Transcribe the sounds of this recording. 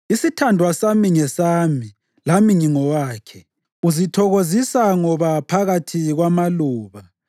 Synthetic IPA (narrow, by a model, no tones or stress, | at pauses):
isitʰandʱwasamiŋɛsaːmi | lamiŋiŋɔwaːkʰɛ | uzitʰɔɣozisaŋɔβapʰaɣatʰiɣwamaluːβa